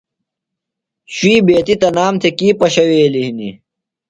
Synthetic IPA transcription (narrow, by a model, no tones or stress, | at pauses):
ɕwiːbeːt̪it̪ɐnaːmt̪ʰekiːpɐɕɐweːlihni